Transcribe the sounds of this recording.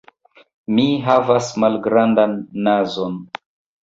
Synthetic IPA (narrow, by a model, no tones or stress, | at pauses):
miɦavasmalɡɾandanːazon